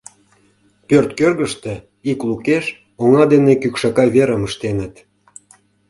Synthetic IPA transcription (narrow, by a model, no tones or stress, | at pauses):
pørt̪kørɣəʃt̪e | iklukeʃ | oŋɑd̪enekykʃɑkɑjβeɾəməʃt̪enət̪